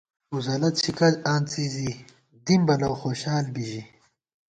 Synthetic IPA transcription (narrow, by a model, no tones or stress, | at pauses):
uzɐlɐt̪ɕʰikɐdaːnt͡siːzi | d̪imbɐnɐwxoːɕaːlbiʑi